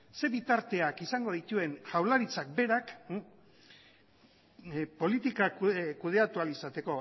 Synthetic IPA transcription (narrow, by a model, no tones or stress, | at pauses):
se̞βit̪aɾt̪e̞akisaŋɡo̞ð̞it̪ue̞ŋʝawlaɾit͡sak̚be̞ɾak | po̞lit̪ikakuð̞e̞at̪ualisat̪e̞ko̞